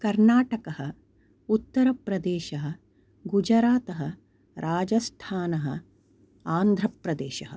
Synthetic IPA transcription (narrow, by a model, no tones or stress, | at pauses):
kɐɾnaːʈɐkɐɦɐ | ut̪ːɐɾɐpɾɐd̪eːʃɐɦɐ̆ | ɡud͡ʒɐɾaːt̪ɐɦɐ | ɾʔaːd͡ʒɐst̪ʰaːnɐɦɐ̰ | aːnd̪ʱɾɐpɾɐd̪eːʃɐɦɐ